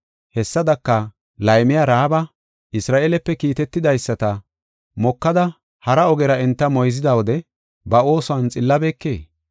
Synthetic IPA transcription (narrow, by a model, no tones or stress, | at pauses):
hɛsːɐd̪ɐkːɐ | lɐjmɪjɐɾaːbɐ | ʔɪsɾaːʔelɛpːɛkiːt̪ɛt̪ːɪd̪ɐjsːɐt̪ɐ | mɔkːɐd̪ɐ | hɐɾɐɔɡɛɾɐɛnt̪ːɐmɔjzɪd̪ɐwɔd̪ɛ | bɐo̞ːsʊɐnt͡sʼɪlːɐbeːkːeː